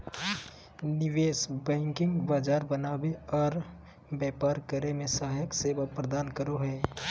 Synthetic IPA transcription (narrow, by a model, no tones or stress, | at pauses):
nɪʋeːsbɛ̃ːŋkɪ̃ŋɡbaːd͡ʒaːɾbənaːweɔːɾ | bɛːpaːɾkəɾemẽsaːɦjəkseːbapɾəd̪aːnkəɾoɦɛː